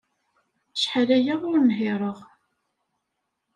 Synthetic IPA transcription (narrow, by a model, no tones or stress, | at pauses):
ʃħalæjaʁʊɾnɦɪɾˤəʁ